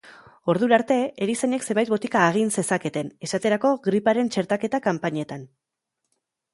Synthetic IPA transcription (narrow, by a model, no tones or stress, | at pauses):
o̞ɾðuɾaɾt̪e̞eɾisaɲe̞kse̞mbajt̪bo̞t̪ikaːɣ̞inse̞sake̞t̪e̞ne̞sat̪e̞ɾako̞ɣɾipaɾe̞nt͡ʃe̞ɾt̪ake̞t̪akampaɲet̪an